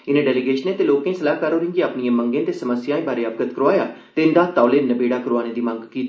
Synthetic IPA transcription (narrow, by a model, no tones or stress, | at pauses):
ɪnẽːɖɛːlɪɡeːʃənẽːt̪eːloːkẽːsəlaːkəɾɦoːɾɪ̃ːŋɡiaːpniẽːməŋɡẽːt̪eːsəməsjaːẽːbaːɾeːəb̚ɡət̪kəɾoaːjaː | t̪eːɪnd̪ãːt̪aːleːnəbeːɽaːkəɾoaːneːd̪iːmə̃ŋɡkiːt̪ː